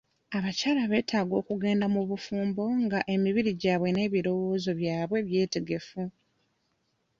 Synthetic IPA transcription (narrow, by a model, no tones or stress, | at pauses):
aβacaːlaβe̞ːtʰaːɡo̞ːkuɡe̞ːndamuβufuːmbo̞ŋɡaʔe̞miβiɾiɟaːβwe̞ne̞ːβiɾo̞wo̞ːzo̞βjaːβwe̞βje̞ːte̞ɡe̞fu